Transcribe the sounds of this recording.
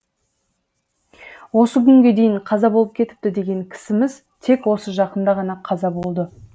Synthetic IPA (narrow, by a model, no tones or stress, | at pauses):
wo̞səkʲʰʏŋɡʲe̞d̪e̞jɪɴqʰɑzɑbo̞lˠəp̚kʲʰe̞t̪ɪ̥p̚t̪ɪd̪e̞ɡʲe̞ŋkʲʰɪ̥sɪmɪz | t̪ʰe̞kwo̞səʒɑqənd̪ɑʁɑnɑqʰɑzɑbo̞lˠd̪ə